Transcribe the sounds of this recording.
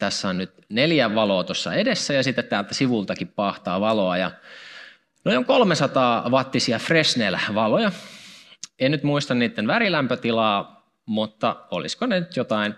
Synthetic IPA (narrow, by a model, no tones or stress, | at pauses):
t̪æsːæonnyt̪neljæʋɑloːt̪osːɑ̰edesːæjɑsit̪ːet̪t̪æːlt̪æsiʋult̪ɑkippɑːht̪ɑːʋɑloɑjɑ̰ | noioŋkolmesɑt̪ɑːʋɑt̪ːisiɑfresnelæʋɑlojɑ | ennyt̪muist̪ɑnniːt̪ːenʋæɾilæmpøt̪ilɑː | mut̪ːɑo̰lḭskonenyt̪jot̪ɑin